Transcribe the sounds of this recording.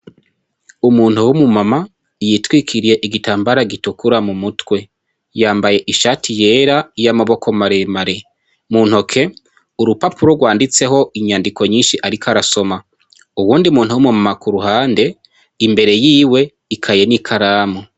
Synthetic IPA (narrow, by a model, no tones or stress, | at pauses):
umuːn̥huwumumama | jiːtwikʰiɾije̞ʔiɡitaːmbaɾaɡitukuɾamumutwe̞ | jaːmbaje̞ʔiʃaːtʰije̞ːɾajamaβo̞ko̞maɾe̞maɾe̞ | mun̥ho̞kʰe̞ | uɾupapuɾoɡwaːndit͡se̞ɦo̞ʔiɲaːndiko̞ɲiːnʃiʔaɾikaɾaso̞ma | uwuːndiumuːnhuwumumamakuɾuhaːnde̞ | imbe̞ɾe̞jiːwe̞ | ikʰaje̞nikʰaɾaːmo